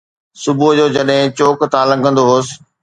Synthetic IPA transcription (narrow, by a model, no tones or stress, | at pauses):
sʊbʊd͡ʑoːd͡ʑɐɗɦɪ̃t͡ɕoːkt̪ʰãːlɐ̃ŋɡʱə̃nd̪oɦoːsɪ̥̆